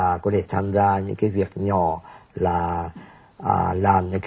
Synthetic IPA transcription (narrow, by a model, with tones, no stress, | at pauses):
aː˨˩kɔ˨˦t̪ʰe˧˩t̪ʰaː˧mzaː˧ɲɨ̰˧˥ŋkaː˨˦jvi˨˩ək̚ɲɔ˧˩laː˨˩ | ʔːlaː˨˩mɲɨ̰˧˥ŋkː